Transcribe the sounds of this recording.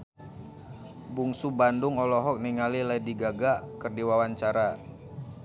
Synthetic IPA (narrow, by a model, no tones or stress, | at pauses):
buŋsubandʊŋɔlɔɦɔk̚niŋalilaidiɡaɡakərdiwawaɲt͡ʃaɾa